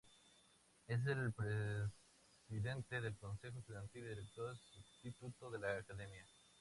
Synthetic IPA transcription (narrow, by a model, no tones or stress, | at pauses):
e̞s̬elpɾe | siðe̞nt̪eðe̞lko̞nse̞xosuðant̪ildiɾek̚t̪oɾðesubst̪it̪ut̪oðe̞laːkaðe̞mja